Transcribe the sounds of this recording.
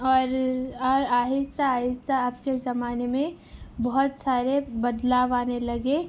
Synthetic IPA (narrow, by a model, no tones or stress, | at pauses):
ɔːɾɔːɾaːɦɪst̪aaːɦɪst̪aːpkezɐmaːnemẽ | bɐɦʊt̪saːɾebɐd̪laːʋaːnelɐɡe